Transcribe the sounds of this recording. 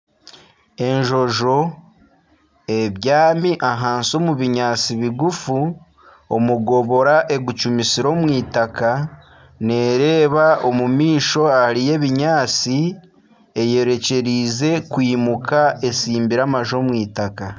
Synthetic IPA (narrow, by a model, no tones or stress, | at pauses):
e̞ɲʒo̞ʒo̞ | e̞βjaːmiʔaɦaːnso̞ːmuβiɲaːt͡siβiɡufu | omuɡo̞βo̞ɾaʔe̞ɡut͡ʃumisiɾo̞mwiːtaka | ne̞ɾe̞ːβao̞mumiːʃo̞ahaɾije̞βiɲaːt͡si | e̞je̞ɾe̞ce̞ɾize̞kwiːmukae̞siːmbiɾamaʒo̞mwiːtaka